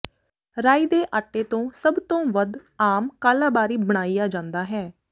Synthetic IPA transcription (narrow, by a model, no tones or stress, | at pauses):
ɾaːiːd̪eːʔaːʈːeːt̪õːsəbt̪õːʋəd̪aːmkaːlaːbaːɾiːbəɽ̃aːijaːd͡ʒãːnd̪aːɦɛː